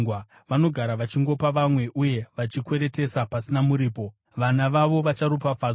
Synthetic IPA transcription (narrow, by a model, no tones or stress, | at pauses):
wa | ʋano̞ɡʱaɾaʋat͡ʃiŋɡo̞paʋamwe̞ʔuje̞ʋat͡ʃikwe̞ɾe̞te̞sapasinamuɾiːpo̞ | ʋanaʋaʋo̞ʋat͡ʃaɾup̬afaːd͡z